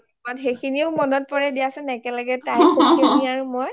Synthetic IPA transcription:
atxejkʰiniʊmɔnɔt̚pɔɹɛdijasɛnɛkɛlaɡɛtajkʰokiniaɹʊmɔj

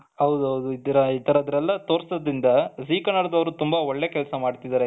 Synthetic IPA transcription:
ɦɐʋd̪uɦɐwd̪uid̪ɐɾɐit̪ɐɾɐːd̪ɐɾɛlːɐt̪oːɾsɐd̪ɾind̪ɐsiːkɐnːɐɽɐd̪ɐʋɐɾut̪umbɐɔɭːekɛlɐsɐmaːɖt̪id̪aːɾe

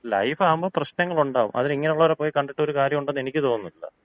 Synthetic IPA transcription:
lɐ̰jfaːumboːprɐɕnɐŋːɐɭuɳɖaːʋṵmʔɐ̰ðiniŋːɐneuɭːɐʋɐɾepːo̞ːjikɐɳɖiʈːɨo̞ɾukaːɾjɐmuɳɖɐnːe̞nikʲːɨt̪o̞ːnːuilːɐ̰

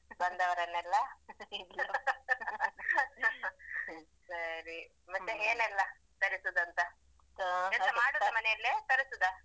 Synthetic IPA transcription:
bɐnd̪ɐʋɐɾɐnːɛlːɐ | sɐɾi | mɐt̪ːeeːnɛlːɐ | t̪ɐɾisod̪ɐnt̪ɐ | ɛnt̪ɐmaːɽoːd̪ɐmɐnɛjɐlːet̪ɐɾisod̪ɐ

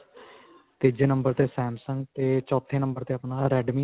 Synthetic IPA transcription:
t̪ed͡ʒeːnəmbəɾt̪eːsɛːmsə̃ŋɡ̚t̪eːt͡ʃɔːt̪ʰːẽːnə̃mbəɾt̪eːəpnaːɾɛːɖmiː

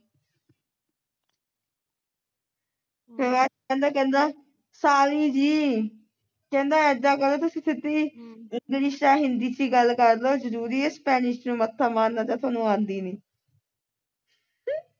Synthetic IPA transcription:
ɦʋaː | ɛ̃ːnd̪aːkɛ̃ːnd̪aː | saːliːd͡ʒiː | kɛ̃ːnd̪aːɛd̪aːkəɾloːt̪ʊsĩːt̪ʰɪt̪ːiːɪŋɡlɪʃaːɦɪnd̪iːt͡ʃiːɡəlkəɾloːzəɾuːɾiːespɛːnɪʃnũːmət̪ʰːaːmaːnd̪aːd͡ʒ̪ãːt̪ʰaːnũːãːnd̪iːniː

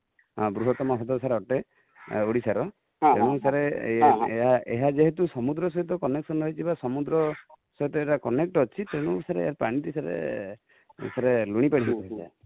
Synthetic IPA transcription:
ɔ̃bɾuɦɔt̪ɔmɔɦɔt̪ɔsaɾeɔʈe | oɽisaɾɔ | t̪eɽ̃ũsaɾe | ɦaʔeɦad͡ʒeɦet̪̬usɔmud̪ɾɔsɔɦjt̪ɔkɔneksɔnɦɔjt̪ʰibasɔmud̪ɾɔ | sɔjt̪ɔeʈakɔnek̚ʈɔt͡ʃʰit̪eɽ̃usaɾeḛjaɾpaɽ̃ĩt̪isaɾḛ | saɾeluɽ̃ipaɽiɦikuesa̰

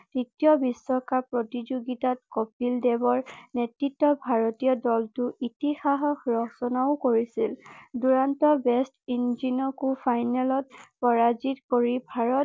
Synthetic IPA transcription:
titiɔbisːɔkapɹɔtizoɡitat̚kopildɛbɔɹnetɹitːɔbʱaɹɔtijɔdɔltʊitixaɦɔxɹɔsɔnaʊkoɹisilduɹantɔbɛstinzinɔkupʰajnɛlɔt̚pɔɹazitkoɹibʱaɹɔt

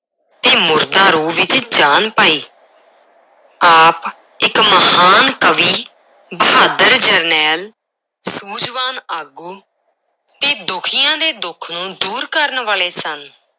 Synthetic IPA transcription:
t̪eːmʊɾd̪ãːɾuːʋɪt͡ʃd͡ʒaːnpaːiː | aːp | ɪkməhaːnkəʋiː | bəɦaːd̪əɾd͡ʒəɾnɛːl | suːd͡ʒʋaːnaːɡuː | t̪eːd̪ʊkʰɪːjãːd̪eːd̪ʊkʰnũːd̪uːɾkəɾnʋaːleːsən

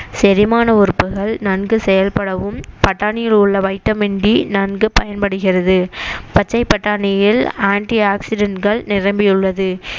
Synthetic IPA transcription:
sɛɾɪmaːnɐʊɾɯpːɯɣɐɭnɐnɡɯsɛjɐlpɐɽɐʋɯmpɐʈːaːnɪjɪlʊɭːɐʋɐɪʈːɐmɪɳɖinɐnɡɯpɐjɐnpɐɽɯɣɪrɐðɯpɐt͡ʃːɐɪpːɐʈːaːnɪjɪlaːɳʈiaːksɪɖɐɳʈɡɐɭnɪrɐmbɪjɯɭːɐðɯ

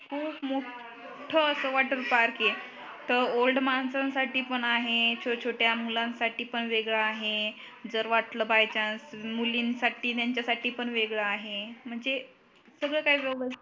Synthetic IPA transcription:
kʰuːpmo | ʈʰəːsəʋaʈəɾpaɾke | t̪əɾolɖmansãnsaʈiːpəɳaɦet͡ɕʰot͡ɕʰoʈjamulãnsaʈiːpəɳʋeɡɭaːɦe | d͡zəɾʋaʈləbajt͡ɕansmulinsaʈiːt̪jaɲt͡ɕjasaʈiːpəɳʋeɡɭaːɦem̤əɳd͡ze | səɡɭəkaɦiːʋebə

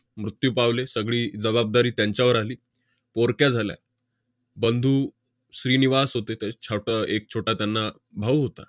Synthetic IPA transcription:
mɾut̪juːpaʋlesəɡɭiːd͡zəβab̚d̪aɾiːt̪jãɲt͡ɕjaʋəɾaliː | poɾkjad͡zʱalja̰ | bənd̪ʱuː | sɾiːniʋasɦot̪et̪at͡ɕʰaʈəek̚t͡ɕʰoʈat̪janːa | bʱaʋuɦot̪a̰

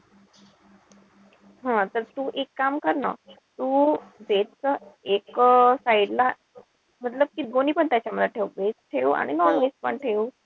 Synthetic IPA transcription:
ɦãt̪əɾt̪uːʔekːamkəɾnə̰ː | t̪uːbeʈt͡səeksaiɽla | m̤ət̪ləb̚kiːɡoniːpəɳt̪jat͡ɕaməd̪aʈʰeʋbesʈʰeua̰ɽ̃inɔnʋes̚pəɳʈʰeu

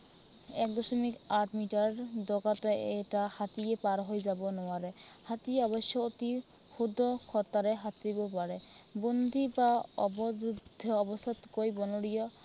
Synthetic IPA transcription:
ɛk̚d̪ɔsɔmikaɾʈʰmiʈaɾd̪ɔɡat̪ɔɛʈahat̪ijepaɾɦojzabɔnɔaɾe | hat̪ijaɔβɔʃjɔot̪i | xud̪ʱɔkʰɔt̪aɾeɦat̪ibɔpaɾe | bond̪ʱibaɔbɔbud̪ʱːɔːbɔst̪ɔt̪kojbɔnoɽijɔ

